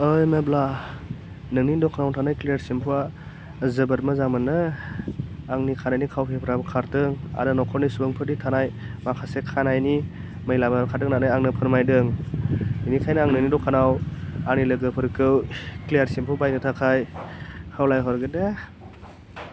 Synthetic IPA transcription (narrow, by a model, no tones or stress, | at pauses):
ɯjmebla | nɯŋnidɔkʰanawtʰanajklijaɾsimpʰua | zɯbəɾmɯzamɯnːɯ | aŋnikʰanajnikʰawpʰepʰɯɾabɯkʰaɾdɯŋa̰ɾɯnɔkʰɔɾnisubɯŋpʰɯɾditʰanaj | makʰasekʰanajni | məjlabaɾkʰadɯŋnanɯjaŋnɯpʰɯɾmajdɯŋ | inikʰajnɯaŋnɯŋnidɔkʰanawanilɯɡɯpʰɯɾkɯwklejaɾsimpʰubajnɯtʰakʰajhawlajɦɔɾɡɯde